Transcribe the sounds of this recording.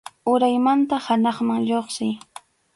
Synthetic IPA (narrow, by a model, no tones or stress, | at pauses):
ʊɾajmant̪ahanɑχmaŋʎoχsɪj